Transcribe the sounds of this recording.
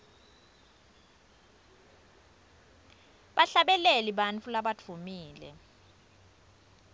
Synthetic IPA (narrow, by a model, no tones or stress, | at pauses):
ɓaɬaɓɛlɛliɓant͡fʰulaɓatʰumiːlɛ̰